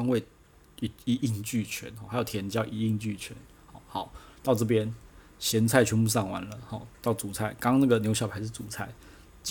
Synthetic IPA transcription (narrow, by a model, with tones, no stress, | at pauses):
ŋwe˥˩ɪ | i˨˩i˧˥ʔi˥˧ŋt͡ɕy˥˨t͡ɕʰɥɛ̰˧˦nxɔ˥˩xa˧˥jo˨˩jɛ˧˥nt͡ɕjɑ˥ʊʔi˧˥i˥˧ŋt͡ɕy˥˩t͡ɕʰɥɛ̰˧˦n | xɔ˨˩ʊxɑ˨˩˦ʊt̪ɑ˥˧ʊʈ͡ʂɤ˥˩p̬jɛ˥n | ɕjɛ˧˥nt͡sʰa˥˩ɪt͡ɕʰɥɛ˧˥npu˥˧sɑ˥˩ŋwa̰˧˦nlə˨hɔ˥˩t̪ɑ˥˩ʊt͡su˨˩t͡sʰa˥˩ɪkɑ˥ŋna˥˩ɡə˩njʊɕjɑ˨˩ʊpʰa˧˥ɪʂ̬̩ʰ˥˩t͡su˨˩t͡sʰa˥˩ɪ | t͡ɕ